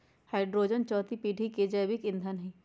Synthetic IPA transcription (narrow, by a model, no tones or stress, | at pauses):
haːɪɖɾoːd͡ʒənt͡ʃɔːt̪ipiːʈiked͡ʒəːbikɪ̃nd̪ʱənɦĩː